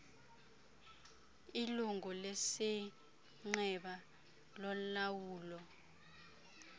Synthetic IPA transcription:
iluŋɔlesi | ŋ͡ǀɛɓa | lɔlawuːlɔ

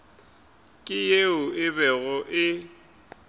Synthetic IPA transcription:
kʼɪjeʊɪbɛɣʊʔɪ

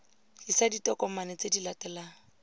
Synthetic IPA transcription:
hisaditɔkɔmanɛt͡sedilatʼɛlaːŋ̩

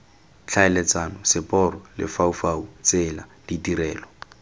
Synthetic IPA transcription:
t͡ɬʰaɛlɛt͡sanɔsɪpʼɔrɔlɪ̰faufaut͡sɪla | d̥itʼiɾɛːlɔ

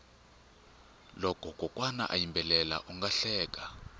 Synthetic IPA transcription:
lɔkʰɔɡ̥ʱɔkʼwana̰ʔajimbʱɛlɛla̰ʔuŋɡaɬɛːk̬ʼa

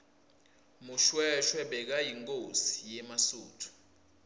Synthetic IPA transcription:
muʃwɛʃwɛɓɛk̬ajiŋkʼosi̥jɛmasuːtʰu̥

